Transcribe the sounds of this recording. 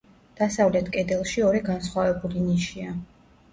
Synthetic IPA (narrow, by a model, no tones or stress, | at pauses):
d̪̥asavlɛt̪ʰkʼɛd̪ɛlˠʃiɔɾɛɡansχwavɛbuliniʃia